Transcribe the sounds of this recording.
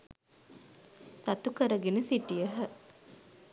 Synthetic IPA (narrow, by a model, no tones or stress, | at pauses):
sat̪ukəɾəɡenəsiʈijəɦə